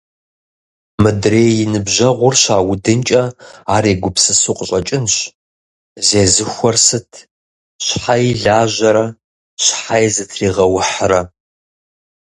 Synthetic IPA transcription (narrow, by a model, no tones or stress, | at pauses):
mɨdreːjɪnɨbʑɐʁʷʊrɕaːwʊdɨnt͡ʃʼɐaːɾeːɡʷʊpsɨsuqʼəɕʼɐt͡ʃʼɪnɕ | zeːzɨxʷɔrsɨtʰ | ɕħajɮaːʑɐɾɐ | ɕħajzɨtʰriːʁɐwʊħrɐ